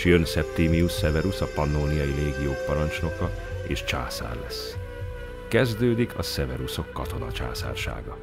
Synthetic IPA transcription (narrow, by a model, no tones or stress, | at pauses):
jønsɛpt̪iːmijusːɛvɛɾusɒpɒnːoːnijɒjileːɡijoːkpɒɾɒnt͡ʃno̞kɒḛːʃt͡ʃa̰ːsa̰ːrlɛs | kɛzd̪øːd̪ikʰɒsɛvɛɾuso̞kːɒt̪o̞nɒ̰t͡ʃa̰ːsa̰ːrʃa̰ːɡɒ